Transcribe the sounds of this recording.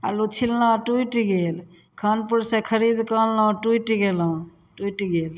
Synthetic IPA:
a̰lut͡ʃʰilnaʈuiʈiɡel | kʰanpuɾsẽkʰəɾid̪kalːãʈuʈiɡel̃ | ʈuiʈiɡel

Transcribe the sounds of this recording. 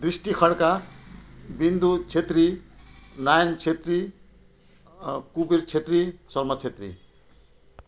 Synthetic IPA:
d̪risʈikʰʌɽka | bind̪ut͡sʰet̪ri | najnt͡sʰet̪ri | kubiɾt͡sʰet̪risʌlmʌt͡sʰet̪rḭ

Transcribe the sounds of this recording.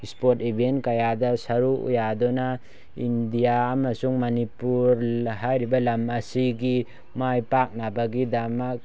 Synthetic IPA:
spotibʱentkajadɐsɐɾuṵjadɔna | indijaːmɐsuŋmɐnipuɾɦajɾibɐlɐmɐsiɡi | majpak̚nabaɡidamak̚

